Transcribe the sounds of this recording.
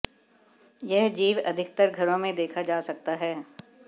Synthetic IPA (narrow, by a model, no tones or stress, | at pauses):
jɛɦd͡ʒiːʋɐd̪ʱɪk̚t̪əɾɡʱɐɾõmẽd̪eːkʰad͡ʒaːsɐk̚t̪aɦɛː